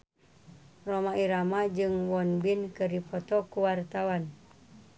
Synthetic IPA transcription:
romaiɾamad͡ʒɨŋwɔnbinkɨrdipɔt̪ɔkuwart̪awan

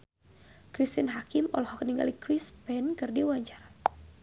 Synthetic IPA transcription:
kɾist̪inɦakɪmɔ̰lɔhɔkəniŋɡa̰likɾispɛnkɨrdiwaɲt͡ʃaɾa

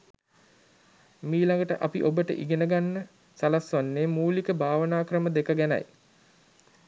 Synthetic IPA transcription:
miːlaŋɡəʈəʔapḭʔobəʈə̰ʔiɡenəɡanːə | salasʋanːeːmuːlikəbʱaːʋənaːkɾəməd̪ekəɡæna̰j

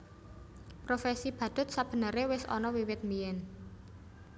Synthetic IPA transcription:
pɾofɛsib̥ä̤d̪̥ʊ̤t̪̚sab̥ə̤nəɾewɪsɔ̰nɔwiwɪt̪̚mijɛn

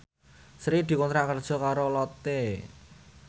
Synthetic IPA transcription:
sɾid̪̥i̤kɔnt̪ɾaʔkərd̥ʒ̥ɔ̤kaɾolɔt̪e

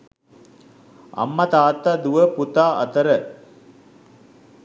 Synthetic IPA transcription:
ɐ̰mːɐt̪aːt̪ːɐd̪uʋəput̪aːɐ̰t̪ɐɾə

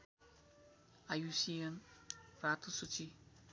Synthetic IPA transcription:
ajusienrat̪usut͡ʃi

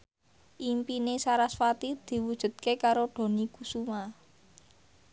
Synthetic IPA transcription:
ʔimpinesaɾasfat̪id̪̥i̤wud̥ʒ̥ṳt̪̚kekaɾoɖ̥o̤nikusuma

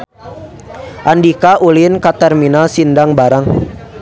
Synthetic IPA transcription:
ʔandikaʔulinkat̪ɛrminalsindaŋbaɾaŋ

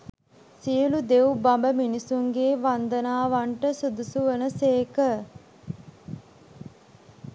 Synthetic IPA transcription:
siəlud̪eʋubambəminisuŋɡeːʋand̪ənaːʋaɳʈəsud̪usuʋənəseːkə

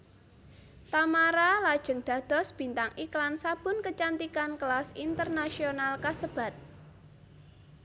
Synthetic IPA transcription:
t̪amaɾalad̥ʒ̥ə̤ŋd̪̥ä̤d̪̥ɔ̤sb̥i̤nt̪aŋʔiklansab̥ʊ̤nkət͡ʃant̪ikankəlasint̪ərnasionalkasəb̥ä̤t̪̚

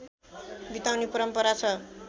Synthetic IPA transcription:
bit̪awnipʌɾʌmpʌɾat͡sʰʌ

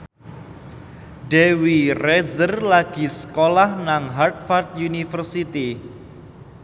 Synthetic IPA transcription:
ɖɛwirɛzərlaɡ̥i̤sə̥kolahnaŋɦart̪̚fart̪̚junifərsit̪i

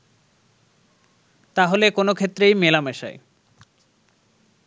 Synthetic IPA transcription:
t̪aɦolekonokʰet̪ːɾejmelameʃa̰e

